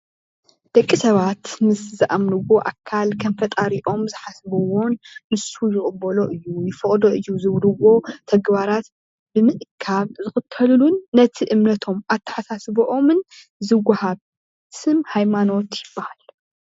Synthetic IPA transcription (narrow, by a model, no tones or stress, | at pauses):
d̪̥ɐkʼːisɐβat̪mɨszɨʔamnɨwo̞ʔakʰːalkʰɐnfɐt̪ʼaɾiʔo̞mzɨħasβɐwo̞nːɨsujɪχʼɨbɐlo̞ʔɨjːujɪfɨχʼd̪o̞ʔɨjːuzɨβɾɨwo̞t̪ʰɐɡbaɾat̪ | bɨmɨʔɨkʰaβzɨxɨt̪ʰːɐllunːɐt̪ʰiʔɨmnɐt̪ʰo̞mʔat̪ʰːɐ̥ħasasboʔo̞mɨn | zɨwahaβ | sɨmhajmano̞t̪jɪbːahal